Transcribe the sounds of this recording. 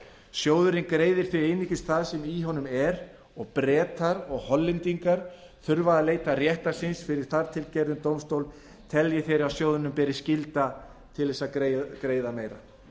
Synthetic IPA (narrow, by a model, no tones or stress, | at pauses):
sjoːwðʏɾɪnkɾeːjðɪɾ̥θɪejnicɪst̪θaðsɛmiɦɔnʏmɛɾ | ɔɣpɾɛːt̪aɾɔɣhɔlːɪnt̪iŋkaɾ | θʏɾvaðaleːjt̪arjɛht̪ḁsɪnsfɪɾɪɾ̥θaɾt̪ʰɪlcɛɾðʏnt̪owmst̪owl | t̪ʰɛljɪθejɾɪɾasjoːwðʏnʏmpɛːɾɪscɪlt̪a | t̪ʰɪlðɛsːaekɾeːjðameːjɾa̰